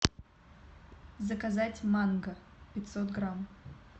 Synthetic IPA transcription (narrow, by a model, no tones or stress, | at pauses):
zəkazatʲmanɡəpʲɪt̪ʲsot̪ɡɾam